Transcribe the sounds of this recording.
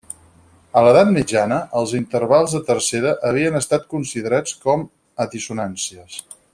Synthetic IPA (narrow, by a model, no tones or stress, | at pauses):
ələðat̪mid͡ʒanəʔəlˠzint̪əɾβalˠzðət̪ərseɾəʔəβ̞iənəst̪at̪̚kunsiðəɾat͡skɔm | əðisunansiəs